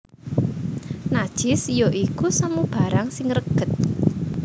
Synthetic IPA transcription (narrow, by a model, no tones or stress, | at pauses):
nad̥ʒ̥ɪ̤sjoʔikusamub̥a̤ɾaŋsɪŋrəɡ̥ə̤t̪̚